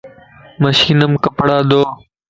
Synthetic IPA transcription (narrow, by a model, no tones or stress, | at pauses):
məʃiːnəmkəpɽaːd̪oː